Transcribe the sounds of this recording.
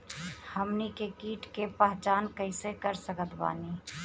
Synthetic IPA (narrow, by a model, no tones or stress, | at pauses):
həmnikekiːʈkepɛɦt͡ʃaːnkəɪsekəɾsəkət̪ba̰ːni